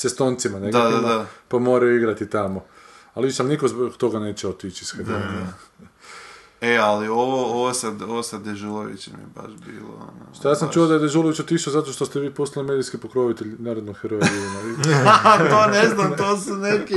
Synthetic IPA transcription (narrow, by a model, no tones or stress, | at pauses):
sest̪oːnt̪simaneɡd̪ad̪aapamo̞ːɾajuiɡɾat̪it̪amo | alʋiʃalinikozbot̪o̞ɡane̞ːt͡ɕɛot̪it͡ʃisxed̪ona | ealioʋooʋosad̪oʋosad̪eʒulˠoʋḭt͡ʃemḭjeba̰ʃbḭːlo̰o̰no̰ʃt̪ojaːsamt͡ʃuod̪aed̪eʒuloʋit͡ɕot̪iʃozat̪o̞ʃt̪ost̪eʋiːpost̪alimed̪iskipokɾo̞ʋit̪eʎʲnaːɾod̪noɡxeɾoɡiumait̪oneznamt̪oːsuneki